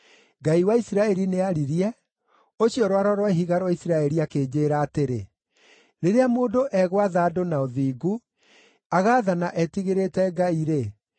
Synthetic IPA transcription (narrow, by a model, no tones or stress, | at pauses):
ɡaiwaisiɾaɛɾineaɾiɾiɛ | oɕiɔɾoaɾɔɾwɛɦiɣaɾwaisiɾaɛɾiakeːd͡ʑeːɾaːteɾe | ɾeɾeamoːndoʔɛɣwaðaːdonaoðiːɡu | aɣaːðanaʔɛtiɣeɾetɛɡaiɾe